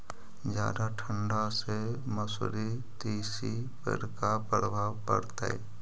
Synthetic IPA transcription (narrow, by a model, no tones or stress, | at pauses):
d͡ʒja̰ːd̪aʈʰə̃ɳɖase | məsɾi | t̪iːsi | pə̰ɾkapɾəbʱaːwkə̰ɾt̪aɛ̰ː